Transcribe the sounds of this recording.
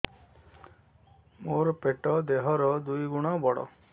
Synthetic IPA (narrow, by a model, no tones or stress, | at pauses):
moɾpeʈɔd̪eɦɔɾɔd̪ujɡuɽ̃ɔbɔɽɔ̰